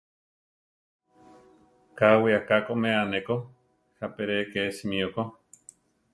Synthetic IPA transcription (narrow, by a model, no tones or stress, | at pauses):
kawiakakomeaneko | hapeɾekesimĩoko